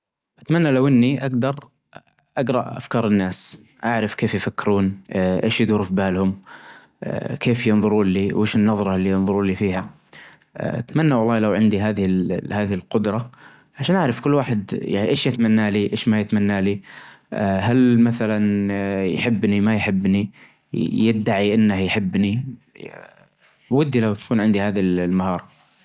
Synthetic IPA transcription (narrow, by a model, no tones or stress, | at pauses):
ʔat̪manːalawʔɪnːiʔaɡd̪ɑɾˤ | ʔaɡɾˤɑʔʔa̰fkɑːɾˤɪnːaːs | ʔaʕɾɪfkeːfjfakːɪɾuːnʔeːʃjɪd̪uɾʊfbaːlhʊm | keːfjɪnðˤʊɾuːnliːwʔeːʃɪnːɑðˤɾˤɑlːiːjɪnðˤʊɾˤuːnliːfiːha̰ | ʔa̰t̪manːawɑlˤːɑːlawʕɪnd̪iɦaːðɪhɪlhaːðɪhɪlqʊd̪ɾˤɑ | ʕaʃaːnʔaʕɾɑfkʊlːwaːħɪd̪ja̰ʕniʔeːʃjɪt̪manːaːliʔeːʃmajɪt̪manːaːli | ɦalmaθalanjħɪbːnimajħɪbːni | jɪd̪ːaʕiʔɪnːahjħɪbːni | wɪd̪ːilawt̪ḁkuːnʕɪnd̪ihaːðallmahɑːɾˤ